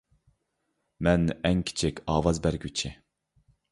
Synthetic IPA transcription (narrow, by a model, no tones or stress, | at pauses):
mɛnɛŋkʲʰi̥t͡ʃʰɪkʲɑːwɑzbæɾɡʲyt͡ʃʰɪ